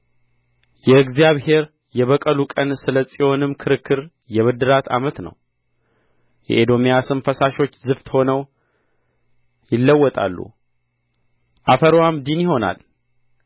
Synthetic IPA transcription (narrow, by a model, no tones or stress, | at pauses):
jɛɨɡzijaβhe̞ɾ | jɛβəkʼəlukʼənsɨləsʼijo̞nɨmːkʰɨɾɨkːɨɾ | jɛβɨd̪ɨɾat̪ʰa̰mət̪nə̰w | jɛ̰ʔed̪o̞mijasɨnfəsaʃo̞t͡ʃːzɨft̪ʰho̞nəw | jɪlːəwːɔt̪ʼa̰lːṵ | ʔafəɾwamd̪injɪho̞na̰l